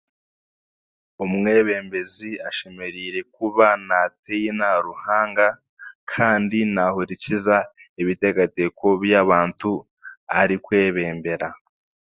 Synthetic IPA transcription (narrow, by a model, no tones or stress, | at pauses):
umŋe̞ːβe̞ːmbe̞ziaʃemeɾiɾe̞kuβanatejinaɾuhaːŋɡa | kʰaːndinahuɾicizaiβite̞ɡate̞ko̞βjaβaːntu | aɾikwe̞ːβe̞ːmbe̞ɾa